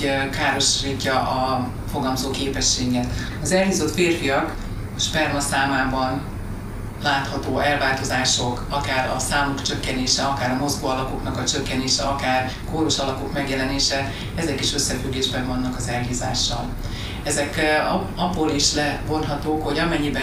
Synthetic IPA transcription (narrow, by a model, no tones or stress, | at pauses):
kaːɾo̞ʃriːcːɒʔɒ | fo̞ɡɒlmzoːkeːpɛʃːeːɡɡɛt̪ | ɒzɛlɦiːzo̞t̪feːrfijɒk | ʃpɛrmɒsaːmaːbɒn | laːt̪hɒt̪oːʔɛlvaːlt̪ozaːʃo̞kɒkaːɾɒ̰saːmukt͡ʃø̞kːɛneːʃɛɒkaːɾɒmo̞zɡoːɒlɒpo̞knɒkɒt͡ʃø̞kːɛneːʃɛɒkaːr | koːɾoʃɒlɒpo̞kmɛɡjɛlɛneːʃɛ | ɛzɛkiʃø̞sːɛfyɡːeːʒbɛɱvɒnːɒkɒzɛlɦiːza̰ːʃːɒ̰l | ɛzɛk | ɒbːoːliʃlɛvo̞nɦɒt̪oːkho̞ɟɒmɛɲːibɛ